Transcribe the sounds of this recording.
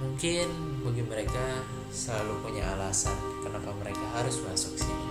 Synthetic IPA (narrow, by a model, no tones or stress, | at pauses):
muŋkɪn | baɡiməɾeka | səlalupuɲa̰alasa̰n | kənapaməɾekaɦaɾʊsmasʊk̚si